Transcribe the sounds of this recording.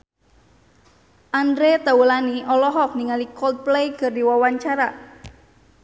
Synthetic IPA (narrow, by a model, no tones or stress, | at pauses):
ʔandɾet̪awulaniʔɔlɔɦɔk̚niŋalikɔlt̪̚plejɡə̤rdiwɔwaɲt͡ʃaɾa